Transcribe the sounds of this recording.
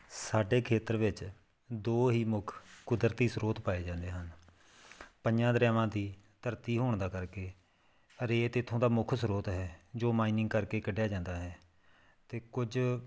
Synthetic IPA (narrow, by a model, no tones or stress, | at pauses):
saːɖeːkʰeːt̪əɾʋɪt͡ʃ | d̪oːɦiːmʊkʰkʊd̪əɾt̪iːsɾoːt̪paːeːd͡ʒãːnd̪eːɦən | pəɲd͡ʒãːd̪əɾɛːʋãːd̪iːt̪əɾt̪iːɦoːɳd̪aːkəɾkeː | əɾeːt̪eːt̪ʰõːd̪aːmʊkʰsɾoːt̪ɦɛːd͡ʒoːmaːiːnɪ̃ŋɡkəɾkeːkəɖjaːd͡ʒãːnd̪aːɦɛː | t̪eːkʊd͡ʒ